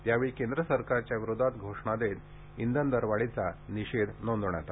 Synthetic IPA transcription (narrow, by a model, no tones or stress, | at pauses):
t̪jaʋeɭikẽnd̪ɾəsəɾkaɾt͡ɕjaʋiɾod̪ʱat̪ɡʱoʂɳad̪et̪ | ind̪ənd̪əɾʋaɭit͡saniɕed̪nond̪uɳjat̪a